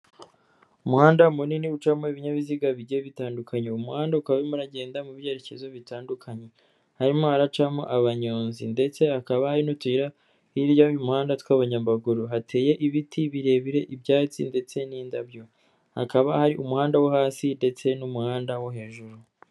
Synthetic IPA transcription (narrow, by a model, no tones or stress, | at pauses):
umuhaːndamuniniut͡ʃamoiβiɲaβiziɡaβiɟijeβitaːndukʰaɲeumuhaːndaukaβaβemuɾaɟe̞ːndamuβje̞ɾece̞zoβitaːndukʰaɲe̞ | haɾimohaɾat͡ʃamo̰ʔaβaɲo̞ːnzḭnde̞t͡se̞akaβahaɾinotwiɾa | iɾjaujumuhaːndatwaːβaɲambaɡuɾuɦatʰe̞ːje̞ʔiβitʰiβiɾe̞βiɾe̞ʔibjaːt͡sḭnde̞t͡se̞niːndabjo̞ | hakaβahaɾiʔumuhaːndawoɦaːsinde̞t͡se̞numuhaːndawoɦe̞ːʒuɾu